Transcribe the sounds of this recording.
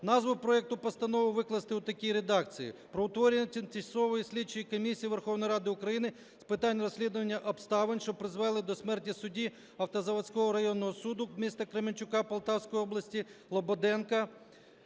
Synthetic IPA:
nɑzʋʊpɾɔɛk̚t̪ʊpɔst̪ɐnɔʋʊʋɪklˠɐst̪ɪʊt̪ɐkʲijɾed̪ɑkt͡sʲijḭpɾɔʊt̪ʋɔɾʲɪnɐt̪ʲt̪ʲisɔʋɔjisʲlʲit͡ʃʊjikɔmʲisʲijiʋerxɔwnjɾɑd̪ɪʊkɾɐjinɪ | spɪt̪ɑnʲːrɔsʲlʲid̪ʊʋɐnʲːɐʔɔpst̪ɑʋɪnʲʃt͡ʃɔpɾɪzʋɛlˠɪd̪ɔsʲmɛrtʲisʊdʲi | ɐwt̪ɐzɐʋɐt͡sʲkɔɦɔɾɐjɔnːɔɦɔsud̪ʊmʲist̪ɐkɾemɪnʲt͡ʃʊkɑpɐlˠt̪ɑwsʲkɔjiɔblˠɐsʲtʲilˠɔbɔd̪ɛnkɐ

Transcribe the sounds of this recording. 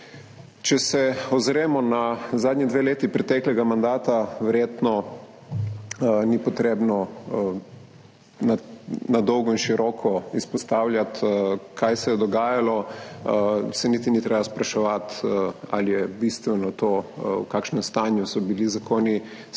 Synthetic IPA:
t͡ʃɛsɛɔzɾeːmɔnazaːd̪ɲʲid̪ʋeːleːt̪ipɾɛt̪ɛːklɛɡamand̪aːt̪aʋɛɾjeːt̪nɔ | nipɔt̪ɾeːbnɔ | nanad̪ɔwɡɔinʃiɾɔːkʰɔispɔst̪aːwljat̪kʰajsɛjɛd̪ɔɡaːjalɔ | sɛnit̪init̪ɾebaspɾaʃɛʋat̪a̰lijɛbist̪ʋɛnɔt̪okaːkʃnɛmst̪aːnjusɔbilizakoːni

